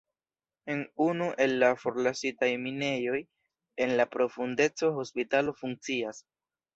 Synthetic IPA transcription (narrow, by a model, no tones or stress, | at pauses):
e̞nunuʔe̞lːafo̞ɾlasitajmine̞jo̞j | e̞nlapɾo̞funde̞t͡so̞ɦo̞spitalo̞fuŋk̚t͡sias